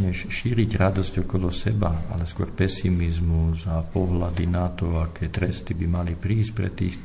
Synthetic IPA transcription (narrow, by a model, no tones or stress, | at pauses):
ɲɛʃʃiːɾiɟɾad̪ɔzcɔkɔlɔsɛbaa̰lɛskʊɔ̰ɾpɛsimizmuzapɔɦlad̪inat̪ɔakʰɛːt̪ɾɛst̪ibimalipɾiːscpɾɛ̰t̪ḭːx